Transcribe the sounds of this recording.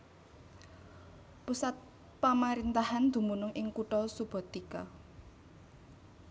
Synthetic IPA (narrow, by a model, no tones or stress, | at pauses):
pusat̪̚ | pamaɾint̪ahand̪̥ṳmunʊŋʔɪŋkuʈɔsub̥ɔ̤t̪ikɔ̰